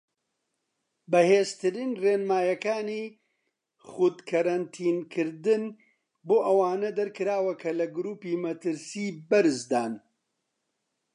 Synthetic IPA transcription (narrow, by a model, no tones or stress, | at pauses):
bɐheːzt̪ɨɾiːnreːnmaːjɐkaːniː | χuːd̪kʰɐɾɐnt̪ʰiːnkʰɨɾd̪ɨn | boːʔɐwaːnɐd̪ɐɾkɨɾaːwɐkʰɐlɐɡʊɾuːpiːmɐt̪ɨɾsiːbɐɾɨzd̪aːn